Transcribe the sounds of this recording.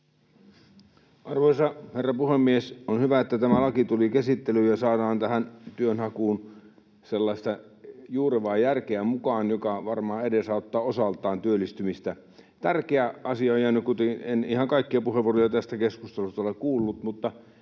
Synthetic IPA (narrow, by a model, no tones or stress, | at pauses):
ʔɑrʋoisɑherːɑpuhemːiesonhyʋæet̪ːæt̪æmælɑkit̪ulikæsit̪ːelyːjɑsɑːdɑːnt̪æhænt̪yønhɑkuːn | selːɑist̪ɑ | juːreʋɑːjjærkeæmukɑːnjokɑʋɑrmɑːedesɑˑot̪ːɑːosɑlt̪ˑɑːnt̪yølːist̪ymist̪æ | t̪ærkeæʔɑsiɑojjænykut̪enenihɑŋkɑikːiɑpuheʋˑorliɑt̪æst̪ækeskust̪elust̪ɑolekkuːlːut̪mut̪ːɑ